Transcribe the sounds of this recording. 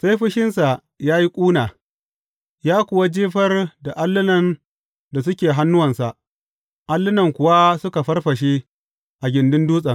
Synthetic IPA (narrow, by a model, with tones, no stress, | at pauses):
sa˦jɸɪ˦ʃɪ˦nsa˨ʔ | jaː˦ji˦kʷʼuː˦naː˨ | jaː˦kʷʊ˨wa˦d͡ʒiː˦ɸɐ˦rda˨ʔa˦lːɪ˦nɐ˨n | da˨sʊ˦kʲeː˨ɦa˦nːʊ˦wɐ˨nsa˨ʔ | ʔa˦lːɪ˦nɐ˨ŋkʷʊ˨wa˦sʊ˦ka˨ɸɐ˦rɸɐ˨ʃ̬e˦ | ʔa˨ɡʲɪ˨ndɪ˦nduː˦sʼɐ˨ŋ